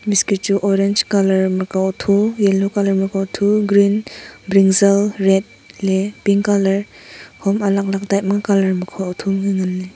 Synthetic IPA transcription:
miskituʔɔɾend͡ʒkalɐɾmakatʰujelokalɐɾmaɾkawtʰuɡɾinbɾiŋzelɾet̚ | lepiŋkalɐɾhɔmalak̚lak̚dajt̚makalɐɾmukʰatʰumŋiŋanːi

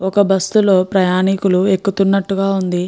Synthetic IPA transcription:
ɔkɐbɐst̪ulo̞ːpɾɐjaːnikulue̞kːut̪unːɐʈːuɡaːund̪i

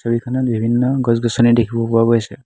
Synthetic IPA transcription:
sɔbikʰɔnɔt̚bʱibʱinːɔɡɔzɡɔsɔnɛdekʰibɔpuaɡojsɛ

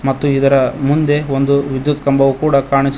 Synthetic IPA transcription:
mɐt̪ːuid̪ɐɾɐmund̪e̞ond̪uʋid̪jut̪kɐmbɐʋukuːɽɐkaːɳis

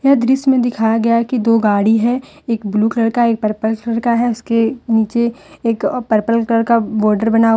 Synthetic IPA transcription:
jɐɦd̪ɾɪsmẽd̪ɪkʰaːjaɡɐjakid̪oːɡaːɽiɦɛ̃ | eːkbluːklɐɽkaeːk̚pɐɾpəlklɐɽkaɦɛʊskeniːt͡ʃeːkpɐɾpəlkləɽkabɔːɾɖəɾbɐna

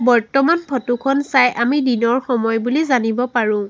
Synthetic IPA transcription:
bɔɹtɔmanpʰɔtukʰɔnsajʔamidinɔɹxɔmɔjbulizanibɔpaɹʊ̃

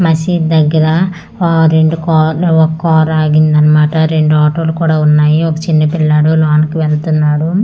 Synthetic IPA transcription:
mɐsiːd̪ɐɡːɐɾɐ | ɾe̞ɳɖukɔːɔkːɔːɾaːɡind̪ɐnːɐmaːʈɐɾe̞ɳɖuaːʈoːlukuːɽaːunːaːjiɔkɐt͡ʃinːɐpilːaːɽulaːnkiʋeɭt̪unːaːɽu

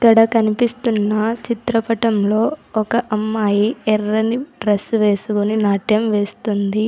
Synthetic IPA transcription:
ɐkːɐɽɐkɐnipist̪unːɐt͡ʃit̪ɾɐpɐʈɐmlo̞ːɔkɐʔɐmːaːjiɛrːɐniɖɾɐsːuʋe̞ːsukoninaːʈjɐmʋe̞ːst̪und̪i

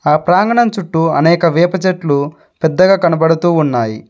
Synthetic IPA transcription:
aːpɾaːŋɡɐɳɐmt͡ʃuʈːuɐ̰nɛːkɐʋɛːpɐt͡ʃeʈlu | pɛd̪ːɐɡaːkɐnɐbɐɽut̪uːnːaːjḭ

